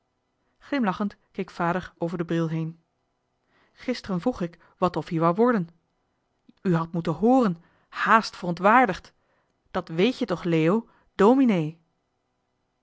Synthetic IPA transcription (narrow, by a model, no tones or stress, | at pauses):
χlɪmlɑχəntkejkfaːdəɹowvəɹdəbrɪlˠɦejn | χɪstərənvruχɪk | ʋɑtɔfiɹʋawʋɔɹdən | yɦɑtmutənɦʊːrən | haːstfərɔntʋaːɹdəχt | d̥ɑtʋejtjətɔχleːo | doːminej